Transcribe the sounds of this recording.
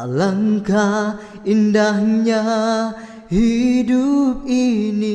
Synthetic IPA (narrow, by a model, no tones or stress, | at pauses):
laŋka | indahɲa | hidup̚ini